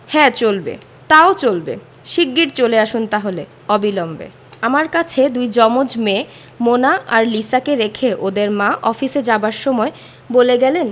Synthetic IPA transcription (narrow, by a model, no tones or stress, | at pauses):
hɛ̃t͡ɕolbḛ | t̪aot͡ɕolbḛ | ʃiɡːiʈt͡ɕoleaʃunt̪aɦole | ɔbilɔmbḛ | amaɾkat͡ɕʰed̪ujd͡ʑɔmod͡ʑme | monaʔaɾlisakeɾekʰeʔod̪eɾmãʔɔfised͡ʑabaɾʃɔmɔe | boleɡɛlen